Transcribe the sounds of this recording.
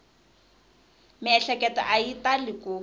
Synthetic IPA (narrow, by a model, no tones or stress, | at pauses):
mɪɛɬɛkʼɛtɔ̰ʔaitalɪkʼoː